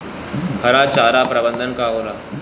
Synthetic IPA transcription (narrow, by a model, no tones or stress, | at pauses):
hʰɐɾaːt͡ʃaːɾaːpɾəbə̃nd̪ʱənkaːɦoːɾaː